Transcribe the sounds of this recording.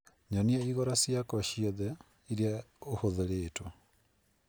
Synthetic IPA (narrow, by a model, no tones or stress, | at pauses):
ɲɔniaiɣɔɾasjakɔʃiɔðɛ | iɾiaohoðeɾeːto